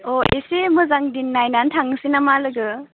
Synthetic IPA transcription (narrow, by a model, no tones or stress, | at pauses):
ɔʔesemɯzaŋdinːajnantʰaŋsinamalɯɡɯ